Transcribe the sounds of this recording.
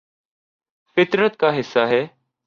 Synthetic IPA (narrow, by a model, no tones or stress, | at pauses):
fɪt̪ɾət̪̚kaːɦɪsːaːɦɛː